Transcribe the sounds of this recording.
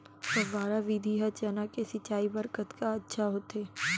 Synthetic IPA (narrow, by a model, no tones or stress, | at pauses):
tɐʋaːɾaʋid̪ʱiɦɐt͡ʃaːnakesɐt͡ʃːaːibəɾkət̪kaɐtːʃʰaɦoːt̪eː